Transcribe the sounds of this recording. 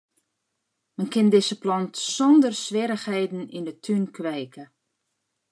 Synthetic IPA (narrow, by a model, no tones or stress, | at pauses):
mɛnkɪndɪzəplɔntsɔndərsʋɪɾəxhejdn̩indətʰynkʰʋɛjkə